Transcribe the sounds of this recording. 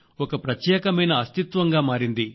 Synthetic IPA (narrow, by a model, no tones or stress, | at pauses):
ɔkɐpɾɐt̪jɛːkɐmɐjnɐːst̪it̪ʋɐŋɡaːmaːɾind̪i